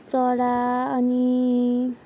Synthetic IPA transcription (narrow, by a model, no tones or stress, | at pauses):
t͡sʌɽaʌni